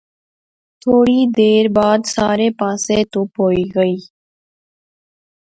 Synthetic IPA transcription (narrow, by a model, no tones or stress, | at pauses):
t̪ʰoːɽid̪eːɾbaːd̪saːɾepãːset̪opoːiɡəiː